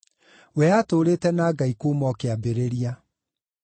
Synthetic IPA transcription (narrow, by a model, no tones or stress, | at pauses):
wɛatoːɾeːtɛnaːɡaikoːmɔkeabeɾeɾia